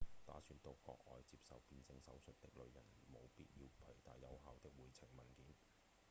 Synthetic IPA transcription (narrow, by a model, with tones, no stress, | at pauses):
t̪a̰ː˨˥syː˨˧nt̪o˧kːɔ̰ː˧k̚ʔɔː˨jt͡siː˧p̚sɐ̰˨wpiː˧nsɪ˧ŋsɐ̰˨˥wsɵ˨t̚t̪ɪ˥k̚lɵ˨˧ɥjɐ˨˩nmo˨˧wpiː˧˥t̚jiː˧wpʰœː˨˩t̪aː˨˩jjɐ˨˧wɦaː˨wt̪ɪ˥k̚wuː˨jt͡sʰɪ˨˩ŋmɐ˨˩nkiː˨˥n